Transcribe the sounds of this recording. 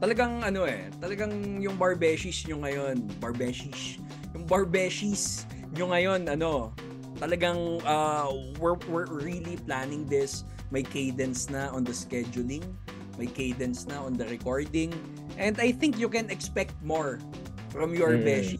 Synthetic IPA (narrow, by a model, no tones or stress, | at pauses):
t̪ɐlɐɡaŋʔɐno̞ʔɛ̰ | t̪ɐlɐɡaŋjʊŋbɐɹbɛʃisɲʊŋɐjonbɐɹbɛʃis | jʊŋbɐɹbɛʃis | ɲʊŋɐjo̞nɐno̞ | t̪ɐlɐɡaŋʔɐː | wɪwɪɹɹiliplanɪ̃ŋd̪ɪs | mɐjkejd̪ɛnt̪snɐʔɔnd̪ɐskɛd͡ʒʊlɪ̃ŋ | mɐjkejd̪ɛnt̪snɐɔnd̪ɐɾɛkoɹd̪ɪ̃ŋ | ʔɛ̃nd̪ɐjθɪ̃ŋkjʊkɛ̃nɛkspɛk̚t̪̚moɹ | fɾɐmjɔɹbɛʃ